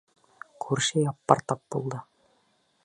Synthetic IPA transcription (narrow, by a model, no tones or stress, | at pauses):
kʰʉɾʃɘjɑpːɑ̰ɾt̪ɑp̚bulˠd̪ɤ